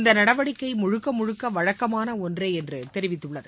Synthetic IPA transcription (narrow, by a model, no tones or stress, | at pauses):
nd̪ɐnɐɽɐʋɐɽɪkːɐɪmʊɻʊkːɐmʊɻʊkːɐʋɐɻɐkːɐmaːnɐɔndrɐɪɛndrɯt̪ɛɾɪʋɪt̪ːɯɭːɐðɯ